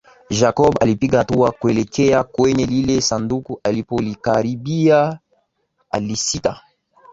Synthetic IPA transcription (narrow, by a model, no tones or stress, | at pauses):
ʒakɔba̰lipiɡatuakwelɛkʰɛjakwɛnɛlilesandukuʔalipolikaɾibia | a̰lisita